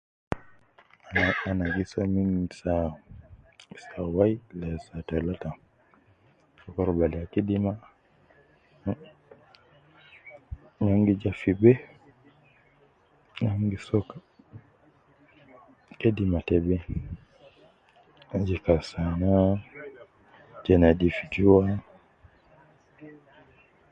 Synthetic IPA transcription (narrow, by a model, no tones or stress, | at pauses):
anaɡisaminsa | isawajilɛsatalata | ɔkɔɾɔbaliakedima | naŋɡid͡ʒafibɛ | namɡisɔka | kedimatɛbɛ | d͡ʒikasana | d͡ʒɛnadifid͡ʒuwa